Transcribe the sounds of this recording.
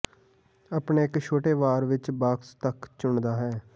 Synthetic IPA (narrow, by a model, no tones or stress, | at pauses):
aːpɳeːɪkʃʰoːʈeːʋaːɾʋɪt͡ʃbaːkst̪əkt͡ʃʊɳd̪aːɦɛː